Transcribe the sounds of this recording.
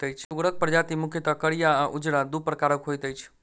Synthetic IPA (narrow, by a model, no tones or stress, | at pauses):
t̪əjt͡ʃʰuɾək̚pɾd͡ʒat̪imʊkʰjət̪akəɽijaaʔud͡ʒɽad̪upɾəkaɾəkɦojt̪əjt͡ʃʰ